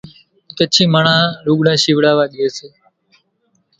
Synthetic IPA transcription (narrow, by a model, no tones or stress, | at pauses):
k̪ət͡ʃʰĩːməɳãːɾuːɠɽãːʃiːʋɽaːʋaːɗieːseː